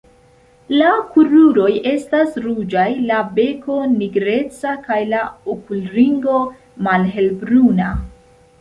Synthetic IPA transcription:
lakuɾuɾo̞je̞stasɾud͡ʒajlabe̞ko̞niɡɾe̞t͡sakajlaokulɾiŋɡo̞ | malɦe̞lbɾuna

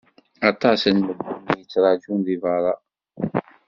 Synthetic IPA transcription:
ɑt̪ˤɑsənməɡunijət͡sːɾˤɑd͡ʒunðivɑɾˤɑ

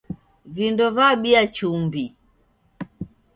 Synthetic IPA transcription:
vindɔvaɓiat͡ʃumbi

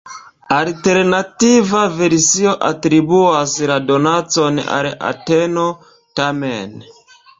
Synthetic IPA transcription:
alte̞ɾnativave̞ɾsio̞ʔatɾibuaslado̞nat͡so̞na̰la̰teno̞ | tamen

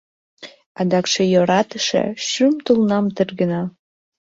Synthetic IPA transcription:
ɑd̪ɑkʃejoɾɑt̪əʃḛʃymt̪ulnɑmt̪ərɡə̆nɑ

